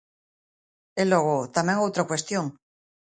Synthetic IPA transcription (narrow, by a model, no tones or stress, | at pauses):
eloɣot̪amjeŋowt̪ɾakwe̞st̪joŋ